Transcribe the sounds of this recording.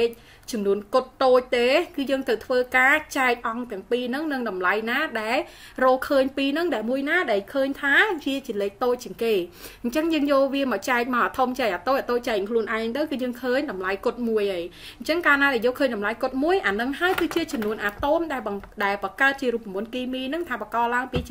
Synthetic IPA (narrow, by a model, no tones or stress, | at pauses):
eːc̚ | t͡ɕɑmnuənkot̪ːoːc̚t̪eːkɨːjəːŋt̪əwt̪ʰʋəːkaːt͡ɕaɛk̚ʔɑŋt̪ɛ̆əŋpiːnɨŋnɨŋɗɑmlajnaːɗaɛl | rɔːlkʰəːɲpiːnɨŋɗaɛmuəjnaːɗaɛlkʰəːɲt̪ʰaːʋiət͡ɕiəleːk̚t̪oːc̚t͡ɕiəŋkeːɲt͡ɕəŋjəːŋjoːlʋiəmɔt͡ɕaɛk̚mawʔaːt̪ʰomt͡ɕaɛk̚ʔaːt̪oːc̚at̪oːc̚t͡ɕaɛk̚kʰluənʔaɛŋt̪əwkɨːjəːŋkʰəːɲɗɑmlajkot̪̚muəjʔəj | ɲt͡ɕəŋkaːnaːɗaɛjoːlkʰəːɲɗɑmlajkŏt̪̚muəjʔaːnɨŋɦaəjkɨːt͡ɕiət͡ɕɑmnuənʔaːt̪omɗaɛlɗaɛlpɑkaət̪̚t͡ɕiəɾuəp̚ːmuənkiːmiːnɨŋt̪ʰaːpɑkɑːlaəŋpiː